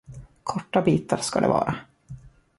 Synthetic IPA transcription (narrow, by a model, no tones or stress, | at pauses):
kʰɔʈːabiːt̪aɾskad̪ɛ̰vɑ̰ːɾʔa